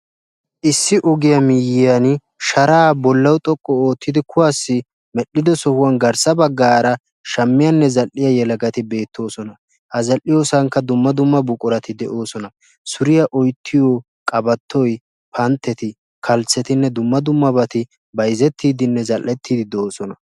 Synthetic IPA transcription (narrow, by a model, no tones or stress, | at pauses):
ʔɪsːɪʔɔɡɪjɐmɪjɪjɐn | ʃɐɾaːbɔlːɐwt̪ʼɔkʼːɔoːt̪ʰːɪd̪ɪkʊwasːɪ | mɛɗːɪd̪ɔsɔhʊwɐnɡɐɾsɐbɐɡːaːɾɐ | ʃɐmːɪjɐnːɛzɐlːɪjɐjɛlɐɡɐt̪ɪbe̞ːt̪ːo̞ːsɔnɐ | hɐzɐlʔːɪjoːsɐŋkːɐd̪ʊmːɐd̪ʊmːɐbʊkʼʊɾɐt̪ɪd̪ɛʔo̞ːsɔnɐ | sʊɾɪjɐʔɔjt̪ʰːɪjɔ | kʼɐbɐt̪ʰːɔj | pʰɐnt̪ːɛt̪ɪ | kʰɐlt͡sːɛt̪ɪnːɛd̪ʊmːɐd̪ʊmːɐbɐt̪ɪ | bɐjzɛt̪ʰːiːd̪ɪnːɛzɐlʔːɛt̪ʰːiːd̪ɪd̪oːsɔnɐ